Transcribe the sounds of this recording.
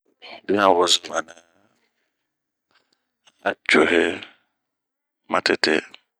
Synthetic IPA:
bi˦ã˨wɔ˨zʊ˦ma˨na˦ | a̰˦t͡ʃɔ˨ɦɛ˦ | mã˨tʰɪ˨tʰɛ̰˦

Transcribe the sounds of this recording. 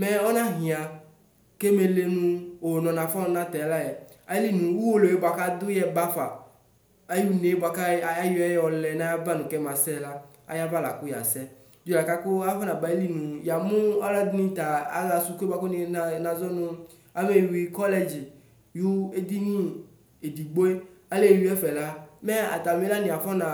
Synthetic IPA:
me˨ɔ˦nã˦ɦĩ˨a˨ | ke˦me˨le˦nũ˦wo˨nɔ̃˨nã˨fa˦ñ˦nã˦t̪ɛ˨˦la˦jɛ˨a˦li˦nũ˨wu˦wo˦lo˨e˦ba˨ka˦d̪ʊ˦jɛ˦ba˦fa̰˨ | a˦ju˦ne˨˦bɔ˨a˨ka˦ja˦ju˦ɛ˦jɛ˦ɔ˨lɛ˨nã˦ja˦ba˦nũ˨kɛ˦mã˨sɛ˦la˦ | a̰˦ja˦va˦la̰˨ku˦ja̰˨sɛ˦ | d͡ʒu˦la˨ka˦ko˦a˦fɔ˦nã˨ba˨˦li˦nũ˨ja˨mũ˦a˦la˦d̪nĩ˦t̪a˨a̰˦a˨su˨ku˦ba˦ko˦nĩ˨˦˨nã˨zɔ˦nũ˦ | a˦me˨wi˨kɔ˦lɛ˦d͡ʑi˨ | ju˦e˦d̪i˦nĩ˦ | e˨di˨ɡ͡bo˦e˦a˦le˦˨ju˦ɛ˦fɛ˨la˦me˦a̰˨t̪a˨me˦la˦nĩ˨a˨fɔ˦nã˨

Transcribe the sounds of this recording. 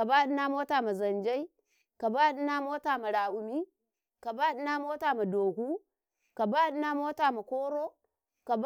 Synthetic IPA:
a˨ba˦ɗi˦na˦mo˦ta˨ma˨za˨nd͡ʒa˦i˦ | ka˨ba˦ɗi˦na˦mo˦ta˨ma˨ɾa˨ʔu˨mi˦ | ka˨ba˦ɗi˦na˦mo˦ta˨ma˨do˨ku˦ | ka˨ba˦ɗna˦mo˦ta˨ma˨ko˦ɾo˦ | ka˨b

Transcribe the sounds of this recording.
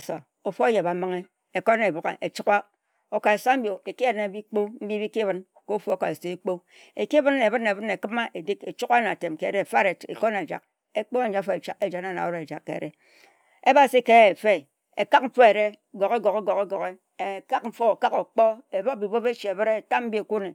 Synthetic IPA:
sa̰˨ | o˨fo˦e˦je˨ba˨˦mɨ˦ŋe˦ | e˨ko˦ne˨bo˨ka̰˨ʔe˨t͡ʃi˦kʷa˦ | o˨ka˨e˨sa˦m̩˦bjo˨e˨ki˦e˨˦ne˦bi˦k͡po˦m̩˦bi˦bi˦ki˦βɨ˦n | ko˦fo˦ka˨e˨so˨˦e˦k͡po˦ | e˨ki˦βɨ˦ne˨bɨ˦ne˨βɨ˦ne˨kɨ˦ma˦ʔe˨di˦ke˨t͡ʃu˦ka˦na˨te˨mke˨ɾe˦˨fa˦ɾe˨ḛ˨ko˦ne˨d͡ʒa̰˨k̚ | e˦k͡po˦a˦n˦d͡ʒa˦fo˨e˨t͡ʃa˦ke˨d͡ʒa˨na˦˨na̰˨o˦ɾe˨d͡ʒa̰˨kːḛ˨ɾḛ˦ | e˦ba˨si˦ke˦e˨fe˦˨ | e˨ka˦k̚m̩˦fɔ˦e˨ɾe˦˨ɡo˨ɣe˦ɡo˨ɣe˦ɡo˨ke˦ɡo˨ɣe˦ | e˨ka˦kɱ̩˦fo˦˨ka˦ko˨k͡pɔ˦e˨bo˦k̚bi˨bo˦be˦t͡ʃi˨e˨βɨ˦ɾe˦˨ta˦mm̩˦bi˦˨ku˦ne˨

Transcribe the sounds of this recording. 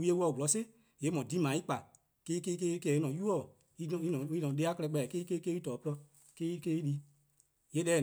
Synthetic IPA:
wi˦e˧˦wɔ˧˨ɡlɔ˨˦se˦ | je˨˦mɔ̃˨di˨˦mã˨i˦k͡pa˨ | ke˦i˦ke˦i˦ke˦ke˧˨i˦nɔ̃˨ju˦ɔ˦˨ | i˦n˨i˦nɔ̃˨i˦nɔ̃˨de˨˧˦a˦klɛ˧k͡pɛ˧˨ke˦i˦ke˦ke˦i˦tɔː˨˦plɔ˧ | ke˦i˦ke˦i˦di˧ | je˨˦ɗɛ˦˨

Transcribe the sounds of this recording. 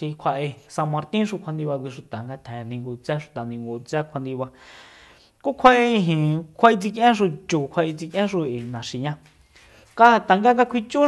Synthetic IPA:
i˧kʷʰa˧ʔe˧sã˧mã˧ɾt̪ĩ˦ʃ̬u˧kʰa˧nd̪i˧βa˧kʷi˧ʂu˨t̪a˨ŋɡa˧t̪ʰɛ̃˨nĩ˧ŋɡu˧t͡sa˦ʂu̥˨t̪a˨nĩ˧ŋɡo˧˨t͡sɛ˦kʷʰa˧nd̪i˧βa˧ | ku˦kʷʰa˧ʔe˧ɦĩ˨kʷʰa˧i˧t͡si˧k̬ʔẽ˦ʃ̬u˧t͡ʃu˨kʷʰa˧ʔi˧t͡si˧kʔẽ˦ʃu˧ʔe˨nã˨ʃi˨ɲã˧ | ka˦a˧t̪a˨ŋɡa˦ŋɡa˧kʷʰi˧t͡ʃu˦

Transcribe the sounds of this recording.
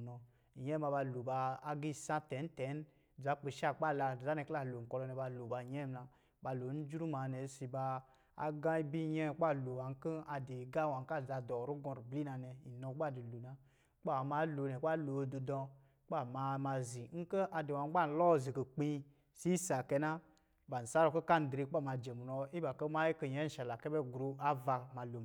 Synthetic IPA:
nɔ˨˧ | i˨je˦a˧ba˧lo˨baː˧˦ɡi˦˨sã˦tɛ˨˦n̩˦tɛ˨˦n˦˨ | d͡za˨˦k͡pi˨ʃa˦k͡pa˦˨la˧˨za˦ne˧kla˦˨lo˨ŋ̩˨kɔ˧lɔ˧nɛ˧ba˧lo˨ba˧˨jɛ˦mna˧ | ba˧lo˨n̩˦d͡ʒɾu˦ma˨ne˨˦si˧ba˧ | a̰˨ɡa˦i˦bi˦ɲe˦˨˦k͡pa˦˨lo˨wa˨ŋ̩˦ki˦a˧de˨ɡa˦wa˨ŋ˦ka˦˨d͡za˧dɔ˨ɾu˦ɡɔ̃˧ɾbli˦na˧nɛ˧i˨nɔ˧˦k͡pa˦˨di˨lu˨na˨˦ | k͡pa˦˨ma˨˦lo˨nɛ˨k͡pa˦lo˨˧do˨dɔ˧ | k͡pa˦˨ma˧ma˧zi˨ŋ̩˦kə˦ʔa˧de˨wa˨ŋ̩˦a˦n̩˨˦lɔ˦˨zi˨kə˨k͡pi˧ | si˦sa˨kɛ˧˦na˦ | ba˨n̩˨sa˦ɾo˧ko˦ka˦n̩˨dɾe˧k͡pa˦˨ma˧d͡ʒe˨mu˨nɔ˧i˦ba˨kə˦ma˦ji˦kə˧ɲɛ˦n̩˦ʃa˨la˨kɛ˦bɛ˦ɡɾu˧a˦va˧ma˧lo˨

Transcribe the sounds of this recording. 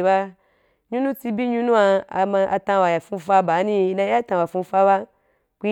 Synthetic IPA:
ba˦ | ɲũ˦nũ˦ti˧bi˦ɲũ˦nũ˦a˧a˨mã˧ʔa˧tã˧wa˨ja˨fũ˧˦fa˦ba˨˦nĩ˦˨˦nã˧˦a˦t̪ã˧˨wa˨fũ˧˦fa˦ba˦ | kʷi˦

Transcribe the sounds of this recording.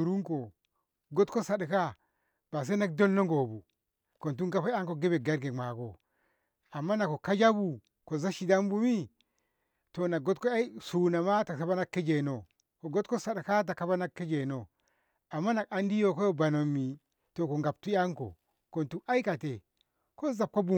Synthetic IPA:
u˨ɾu˦ŋko˨ | ɡo˦tko˦sa˨ɗka˦ | b̥a˨s̬e˦na˦k̚do˦nːo˦ŋɡo˨bu˨ | ko˨ntu˦ŋɡa˦pa˦a˦ŋko˨ɡe˦be˨ɡa˦ɾɡe˨ma˨ko̰˨ | a˨mːa˦na˨ko˨ka˦d͡ʒa˦bu˨ | ko˨za˦ʃi˨da˦mbu˦mi˦ | to˨na˨ɡo˦tko˦a˦i˦su˨na˨ma˦ta˨sa˦ba˦na˦kːe˦d͡ʒe˨no˨ | ko˨ɡo˦tko˦sa˨ɗka˦t̬a˨ka˦ba˦na˦kːe˦d͡ʒe˨no˨ | a˨mːa˦na˨ka˨˦ndi˦jo˦˨ko˦jo˦ba˨no˨mːi˨ | to˨ko˨ŋɡa˨p̚tu˦ja˦ŋko̰˨ | ko˨ntu˦a˦i˦ka˨te˨ | ko˦za˨p̚ko˦bu˨

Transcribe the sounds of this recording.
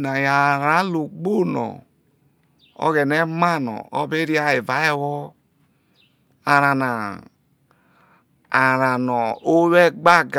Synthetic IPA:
na˨ja˨ɾa˨˦lo˨ɡ͡bo˦˨nɔ̰˨ | ɔ̰˦ɡɛ˨nɛ˦ma˦˨nɔ̰˨ɔ˦be˦ɾi˦a˦e˨va˨˦ɛ˦wɔ˦ | a˨ɾa˨na˨ | a˨ɾa˨nɔ˨o˦wɛ˦ɡ͡ba˦˨ɡ

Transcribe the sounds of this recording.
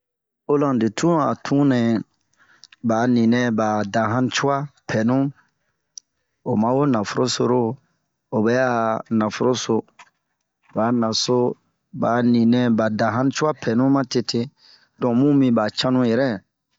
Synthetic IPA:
o˦lã˨de˨tũ˦a̰˨tʰũ˦nɛ̃˨ | ba˨nĩ˨nɛ̃˦ba˨dã˨ɦã˦n˦t͡ʃu˦wa˦pʰɛ˨nũ˦ | o˨mã˦wo˦nã˨fo˦ɾo˦so̰˨ɾo˦ | o˨bɛ˦ja˦nã˨fo˦ɾo˦so˨ | baː˨nã˨so˦ | ba˨nĩ˨nɛ̃˨ba˨dã˨ɦã˦n˦t͡ʃu˦wa˦pʰɛ˨nũ˦mã˦te˦tʰe˦ | dɔ̃˨mũ˦mĩ˦ba˨t͡ʃã˦nũ˦jɛ˨ɾɛ˦

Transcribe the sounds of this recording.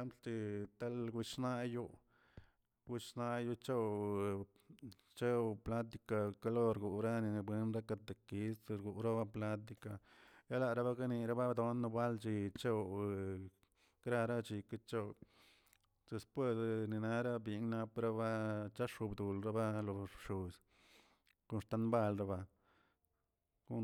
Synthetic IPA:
a˦mplt͡ʃi˧t̪a˦lɡu˧t͡ʃna˦ju˦ | ɡʷi˧˦t͡ʃna˧ju˦t͡ʃe˦w | t͡ʃe˦wpla˦t̪̬i˧ka˨ka˧lo˦ɾɡu˨ʔɾa˦ni˧bwe˧˦nɾa˦ka˧t̪e˨ki˦sɾɡu˨ʔɾa˦ba˦pla˦t̪̬i˧ka˨ja˦la˧˨ɾa˦ba˦ka˦ni˧ɾa˦ba˦d̪o˦nː˧ba˦lt͡ʃi˧t͡ʃe˦˧ | kɾa˦˧ɾa˦t͡ʃi˧ka˦t͡ʃo˦ | d̪̥e˧spwe˦˧sni˧na˦ɾa˦bi˧˦ŋna˦pɾa˦ba˦t͡ʃa˦ʂu˧bd̪u˨lɾa˦ba˦lo˨ʂu˨s | ku˦nʂt̪a˦nba˦˨lɾa˦ba˧ | ku˦

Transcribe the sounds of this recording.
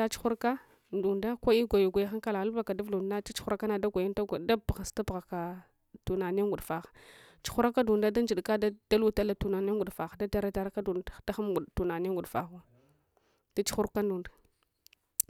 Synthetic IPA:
a˦t͡ʃu̥˦xu˦ɾka˦ | n˨du˨nda˦ko˦i˦ɡʷa˨ju˨ɡʷa˨ja˦xa˦ka˦la˨ɣa˦lba˨ka˨da˦vu˨dna˦t͡ʃi˦t͡ʃu̥˦xu˦ɾa˦ka˦na˦˨da˦ɡʷa˨ji˦nta˦ɡda˦bɣa˨sta˦pɣa˨ka˨ | tu˨na˨ne˦ŋɡu˨ɗfa˨xḁ˨ | t͡ʃu̥˦xu˦ɾa˦ka˦du˨nda˦da˦n˦d͡ʒi˨ɗka˦da˦d̥a˦lu˦ta˦la˨tu˨na˨ne˦ŋɡu˨dfa˨xa˨da˦ta˦ɾa˦ta˨˦ɾa˦ka˦du˨˦da˦xa˦mɡu˨tu˨na˨ne˦ŋɡu˨dfa̰˨xu˦ | da˦t͡ʃu̥˦xu˦ɾka˦ndu˨nda˨

